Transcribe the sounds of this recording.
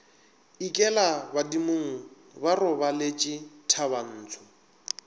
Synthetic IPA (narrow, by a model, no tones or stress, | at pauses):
ikʼɛlabadimʊŋ̩ | barʊbalet͡ʃʼɪtʰaβan̩ːt͡sʰʊ